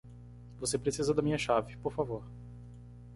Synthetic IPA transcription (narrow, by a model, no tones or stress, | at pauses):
vosepɾesizɐd̪ɐmĩɲɐʃavɪpoɾfavoɾ